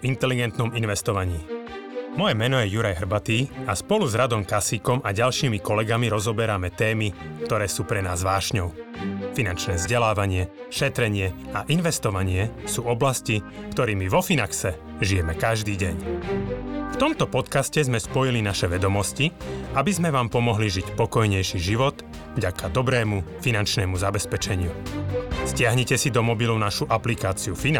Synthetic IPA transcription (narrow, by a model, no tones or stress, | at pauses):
int̪ɛliɡɛnt̪nɔminʋɛst̪ɔʋaɲiː | mɔjɛmɛnɔjɛjuɾajɦr̩bat̪iːaspɔluzɾad̪ɔmkasikɔmaɟalʃiːmikɔlɛɡamiɾɔzɔbɛɾamɛt̪ɛːmikt̪ɔɾɛːsuːpɾɛnaːzʋaːʃɲɔʊfinant͡ʃnɛːvzɟɛlaːʋaɲɪɛ | ʃɛt̪ɾɛɲɪɛaʔinʋɛst̪ɔʋaɲɪɛsuːɔblascikt̪ɔɾiːmiʋɔfinaksɛ | ʒijɛmɛkaʒd̪iːɟɛɲ | ft̪ɔmt̪ɔpɔt̪kascɛzmɛspɔjilinaʃɛʋɛd̪ɔmɔsciabizmɛʋaːmpɔmɔɦliʒicpɔkɔjɲɛjʃiːʒiʋɔt̪ | vɟakʰad̪ɔbɾɛːmufinant͡ʃnɛːmuzabɛspɛt͡ʃɛɲɪu | scɪaɦɲɛcɛsid̪ɔmɔbilɔʊnaʃuʔaplikaːt͡siufin